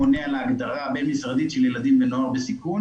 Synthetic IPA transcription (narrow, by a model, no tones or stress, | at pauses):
onealaaɡd̪aʁabenmisʁad̪itʃeljelad̪imvenoaʁbesikun